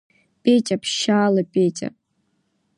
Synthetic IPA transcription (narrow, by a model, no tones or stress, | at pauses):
pʲʼetʲʼapʰʃaːlɐpʼetʲʼɐ̰